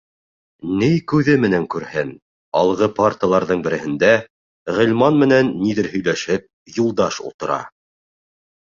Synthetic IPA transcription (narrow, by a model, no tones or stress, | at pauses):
nɘjkʉðɘmɘ̆næŋkʉɾhɘn | ɑ̰lˠʁɤpart̪əlˠɑɾðɤɴbɘ̆ɾɘ̆hɘ̆nd̪æ | ʁɘ̆lʲmɑnmɘ̆nænːiðɘɾɦɵ̆jlæʃɘp̚ | julˠd̪ɑʃṵlˠt̪ɤ̆ɾɑ̰